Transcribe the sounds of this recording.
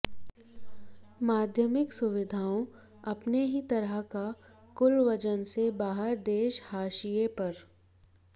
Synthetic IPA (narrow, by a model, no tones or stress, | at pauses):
maːd̪ʱjəmɪksʊʋɪd̪ʱaːõ | ɐpneɦit̪ɐɾəɦka | kʊlʋɐd͡ʒənsebaːɦəɾd̪eːʃhaːʃijepɐɾ